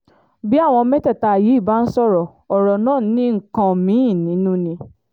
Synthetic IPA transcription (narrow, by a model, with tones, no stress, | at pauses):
bi˦a˦˨w̃ɔ̃˧mɛ̃˦tɛ˦˨ta˧˨ji˨˦i˦˨ba˨˦n̩˦sɔ˦˨ɾɔ˨ | ɔ˨ɾɔ˨nãː˦˨nĩ˦ŋ̩˨kã˧mĩ˨˦˨nĩ˨˦nũ˦nĩ˧